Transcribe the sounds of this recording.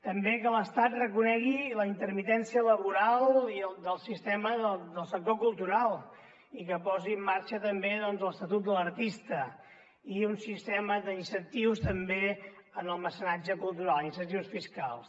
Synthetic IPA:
t̪əmbekələst̪at̪rəkunɛɣiləint̪əɾmit̪ɛnsiələβuɾalˠiəld̪əlˠsist̪ɛməðəd̪əlˠsək̚t̪okulˠt̪uɾalˠ | ikəpɔziəmːaɾt͡ʃət̪əmbeðɔnzləst̪ət̪ut̪̚d̪ələrt̪ist̪ə | iunsist̪ɛməðəinsənt̪iwst̪əmbe | ənəlˠməsənad͡ʒəkulˠt̪uɾalinsənt̪iwsfiska̰lˠs

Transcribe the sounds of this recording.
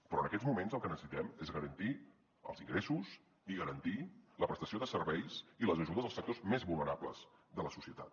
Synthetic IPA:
pɾɔənəkɛd͡zmumenzəlˠkənəsə̥sit̪ɛmezɣəɾənt̪i | ə̰lˠziŋɡɾesus | iɣəɾənt̪iləpɾəst̪əsioðəsərβɛjsiləzəʒuðəzðlˠsək̚t̪ozmezβulˠnəɾaplə̰z̥ðələsusiət̪at̪̚

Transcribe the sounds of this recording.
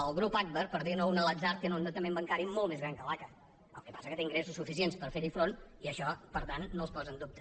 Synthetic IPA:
əlˠɣɾupak̚βəɾpəɾðinounələd͡zaɾt̪̚kenund̪ət̪əmembəŋkaɾimolˠmezɣɾaŋkəlakə | ə̰lˠkəpasəkət̪eiŋɡɾesusːufis̬ienspəɾfeɾifɾoniəʃɔpəɾt̪anːospɔzənd̪up̚t̪ə̥

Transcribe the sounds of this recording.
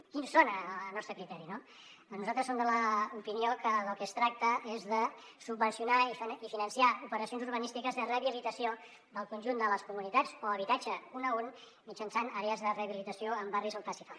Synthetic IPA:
kinsonəlˠnɔst̪ɾəkɾit̪ɛɾino | nuzalˠt̪ɾəsomd̪ələupiniokəðəlˠkɛst̪ɾak̚t̪əʔezðəsubːənsiunaiifinənsiaupəɾəsionzuɾβənist̪ikəzðəreəβilit̪əsio | d̪əlˠkunʲʒund̪ələskumunit̪at͡soəβ̞it̪ad͡ʒəunəun | mit͡ʃənsanaɾeəzðəreːβilit̪əsioəmbarizəmfasifa

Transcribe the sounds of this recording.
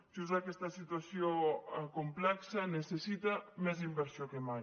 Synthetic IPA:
ʒuzakest̪ɐsit̪wasjokomplɛksanesesit̪amɛz̬imbeɾsjokemaj

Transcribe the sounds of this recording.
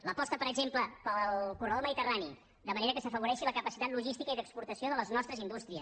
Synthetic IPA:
ləpɔst̪əpəɾəɡzempləpəlˠkurəðolməðit̪ərani | d̪əməneɾəkəsəfəβ̞uɾɛʃiləkəpəsi̥t̪at̪luʒist̪ikəiðəkspuɾt̪əsioðələznɔst̪ɾəzind̪ust̪ɾiəs

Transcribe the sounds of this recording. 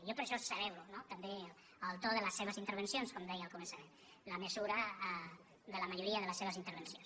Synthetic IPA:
jopəɾʃɔsəβɛβlunot̪əmbe | əlˠt̪oðələsːeβəzint̪əɾβənsionskɔmd̪ɛjəlˠkumənsəmen | ləməzuɾə | d̪ələməʒuɾiəðələsːeβəzint̪əɾβ̞ənsjons

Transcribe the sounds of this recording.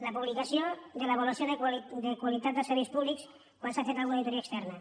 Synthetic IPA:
ləpuβlikəsiod̪ələβoləsioðəd̪əkwalit̪at̪̚d̪əsəɾβispuβliks | kwansafet̪alɣunaðit̪uɾiaːkst̪ɛrnə

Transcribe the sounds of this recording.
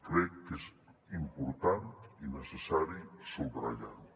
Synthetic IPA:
kɾɾɛkes | impuɾt̪ant̪inəsesaɾisolbɾa̰ʎa̰n

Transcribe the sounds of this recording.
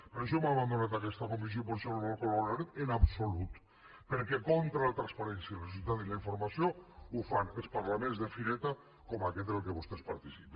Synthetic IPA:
peɾoʃ̬omaβand̪onat̪akɛst̪akomisjopoɾʃelomolkolanaɾet̪enapsolut̪ | peɾkekont̪ɾalat̪ɾanspaɾɛnsjaelresult̪at̪ilaiɱfoɾmasjoufanelˠspaɾlamẽnzðefiɾet̪a | komaket̪lkeβost̪espaɾt̪isip

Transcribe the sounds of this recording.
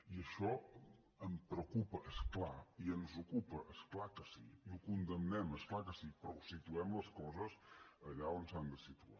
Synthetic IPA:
iəʃɔ | əmpɾəkupəʔəsklaiənzukupəʔəsklakəsiiukund̪əmnɛməsklˠakəsipɾɔusit̪uɛmləskɔzəzəʎaonsand̪əsit̪ua̰

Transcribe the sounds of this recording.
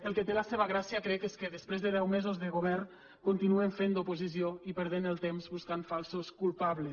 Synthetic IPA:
əlˠket̪elaseβaɣɾasiakɾɛkeskəðəspɾezðəðɛwmezozðəɣoβ̞ɛr | kont̪inueɱfend̪opozisioipəɾð̞enəlˠt̪emzβuskanfalˠsoskulˠpaβle

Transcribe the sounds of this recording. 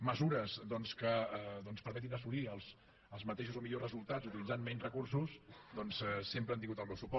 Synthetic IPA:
məzuɾəzd̪ɔnskəðɔnspəɾmɛt̪inəsuliəlˠs | əlˠzmət̪eʃuzomiʎozrəzulˠt̪ad͡zut̪ilid͡zanmɛnzrəkursusd̪ɔnsɛsempɾəant̪iŋɡut̪əlˠβɛwsupɔ

